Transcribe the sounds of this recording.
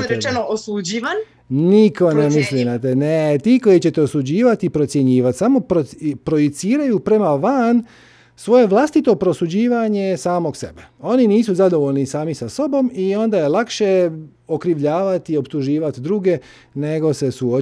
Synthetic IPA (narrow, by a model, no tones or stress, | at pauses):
ɾet͡ʃenoosud͡ʑiʋan | niko̞nemislinat̪enet̪iːko̞jit͡ɕe̞t̪eosud͡ʑiːʋat̪ipɾo̞t̪sjeɲiːʋat̪samo̞pɾopɾo̞jet̪siːɾajupɾe̞maʋan | sʋo̞je̞ʋlˠast̪it̪o̞pɾo̞sud͡ʑiːʋaɲe̞saːmo̞kse̞̰beo̞niniːsuzad̪o̞ʋo̞ʎnisaːmisaso̞bo̞mio̞nd̪ajelakʃe̞ | o̞kɾiʋʎaːʋat̪io̞pt̪uʒiːʋat̪d̪ɾuːɡe̞ | ne̞ɡo̞se̞suo